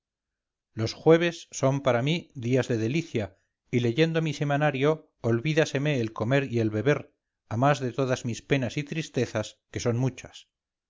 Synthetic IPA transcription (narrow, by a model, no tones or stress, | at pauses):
lo̞sxwe̞β̞e̞sːo̞mpaɾamiðiazðe̞ðe̞liθja | ile̞ʝe̞nd̪o̞mise̞manaɾjo̞ː | lβiðase̞meːlko̞me̞ɾie̞lβe̞βe̞ɾ | amazðe̞t̪o̞ðazmispe̞nasit̪ɾist̪e̞θaske̞so̞nmut͡ʃas